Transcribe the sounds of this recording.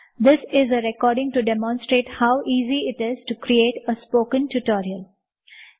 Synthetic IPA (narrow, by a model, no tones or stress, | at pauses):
d̪ɪsɪzəɾɛkɔːɾɖɪ̃ŋʈuɖemɔ̃nsʈɾeːʈhaʊʔiːziɪʈɪzʈukɾieːʈəspoːkə̃nʈuʈɔːɾiəl